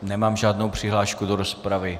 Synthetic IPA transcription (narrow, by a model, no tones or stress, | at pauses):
nɛmaːmʒaːdno̞wpr̝̥ɪɦlaːʃkudoɾo̞spɾavɪ